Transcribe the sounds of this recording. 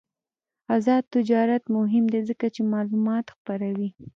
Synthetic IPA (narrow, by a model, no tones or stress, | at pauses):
azɑd̪̚t̪ːɪd͡ʒɑɾat̪mʊɦɪmd̪ezəkat͡ʃemɑlumɑt̪xpaɾawi